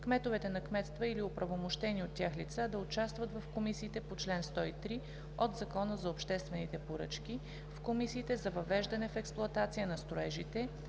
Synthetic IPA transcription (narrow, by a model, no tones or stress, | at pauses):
kmɛt̪ovɛt̪ɛnɐkmɛt̪st̪vəiliopɾɐvomoʃt̪ɛniot̪ːʲjaxlit̪sad̪ɐʊt͡ʃast̪vɐt̪vɐfkomisiːt̪ɛpot͡ʃlɛnst̪ɔit̪ɾi | od̪zɐkɔnəzɐopʃt̪ɛst̪vɛnit̪ɛpoɾɤ̰t͡ʃk̟i | fkomisiːt̪ɛzɐvɐvɛʒd̪ɐnɛfɛksplˠʊɐt̪at̪sijənɐst̪ɾʊɛʒit̪ɛ